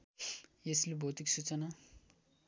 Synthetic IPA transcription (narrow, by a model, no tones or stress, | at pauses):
jeslebʱot̪iksut͡sʌna